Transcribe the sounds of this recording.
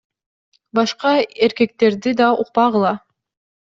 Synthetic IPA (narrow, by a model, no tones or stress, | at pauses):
bɑʃqɑeɾke̞k̚t̪e̞ɾd̪id̪ɑuq̚pɑʁɯlˠɑ